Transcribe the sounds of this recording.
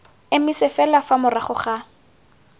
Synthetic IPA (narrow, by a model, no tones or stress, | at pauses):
ɪmisɪfɛlafamʊraχʊχa